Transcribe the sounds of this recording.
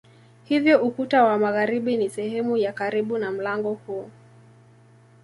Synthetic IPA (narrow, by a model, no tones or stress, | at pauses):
hivjɔʔukutawamaɣaɾiɓinisɛhɛmujakaɾiɓunam̩laŋɡɔhuɔ